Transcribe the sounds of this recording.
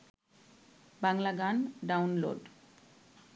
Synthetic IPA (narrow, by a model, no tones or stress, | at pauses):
baŋlaɡanɖawnlo̰ɖ